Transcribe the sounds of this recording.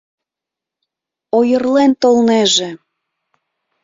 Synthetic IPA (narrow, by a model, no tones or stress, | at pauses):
ojərlent̪olneʒĕ